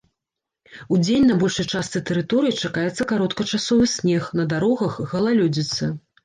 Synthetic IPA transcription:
ud͡zʲenʲnɐbɔlʲʂɐjt͡ʂast̪sɨt̪ɛɾɨt̪ɔɾɨjit͡ʂakajɛt̪sːɐkaɾɔt̪kɐt͡ʂasɔvɨsʲnʲɛxnɐd̪aɾɔɣɐxɣɐlˠalʲud͡zʲit̪sːɐ

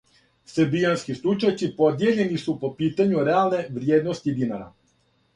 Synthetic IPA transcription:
seɾbijanskislˠut͡ʃat͡ʃsipo̞d̪je̞ʎe̞nisupo̞piːt̪aɲuɾealˠne̞ʋɾjeːd̪no̞st̪id̪inaɾa̰

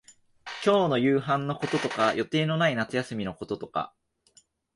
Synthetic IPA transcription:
kʲo̞ːno̞jɯ̟ːɦãnːo̞ko̞t̪o̞t̪o̞kajʔo̞t̪e̞ːno̞nainat͡sɨjasɨmʲino̞ko̞t̪o̞t̪o̞ka̰

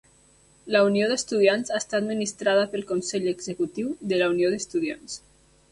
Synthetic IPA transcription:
ləunioðəst̪uðianzaest̪ad̪minist̪ɾaðəpəlˠkonsɛʎəɡzəkut̪iwðəlaunioðəst̪uðia̰ns

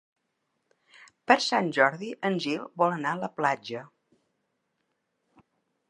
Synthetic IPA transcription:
pəɾsanʲʒɔɾðiʔənʲʒilˠβɔlˠənaələplad͡ʒə

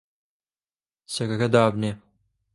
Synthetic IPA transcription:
sɐkɐkɐd̪aːbneː

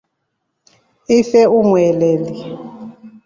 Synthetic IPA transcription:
ifɛuŋwɛlɛːli

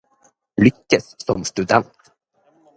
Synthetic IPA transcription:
lʏkːəssɔmst̪ʉd̪ɛnt̪

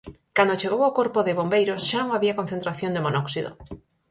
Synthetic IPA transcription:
kand̪ot͡ʃeɣ̞owawkoɾpoðɪβombejɾosʃanõŋaβiɐkonθẽnt̪ɾaθjond̪emonɔksiðo̰

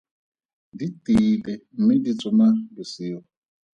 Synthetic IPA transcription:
ditibɛm̩midit͡sɔmadusiɔ

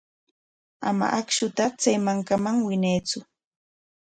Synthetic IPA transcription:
a̰ma̰ʔakʃʊt̪at͡sajmaŋkamaŋwɪnajt͡sʊ

